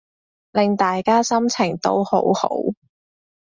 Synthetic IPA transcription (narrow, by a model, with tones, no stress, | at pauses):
lɪ˨ŋt̪aː˨jkaː˥sɐ˥mt͡sʰɪ˨˩ŋt̪o̰˥who˨˥who̰˨˥w